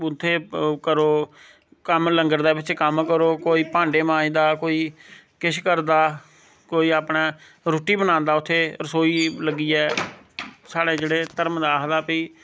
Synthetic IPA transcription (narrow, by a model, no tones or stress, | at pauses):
ʊt̪ʰːeːkəɾoː | kəmləŋɡəɾd̪eːbɪt͡ʃkəmkəɾoːkoːiːpãːɳɖeːmãːĩːd̪aːkoːiːkɪʃkəɾd̪aː | koːiːaːpnaː | ɾoːʈiːbənãːnd̪aːʊt̪ʰːeːɾəsoːiːləɡːiːɛː | saːɽeːd͡ʒeːɽeːt̪əɾmd̪aːɦd̪aːpiː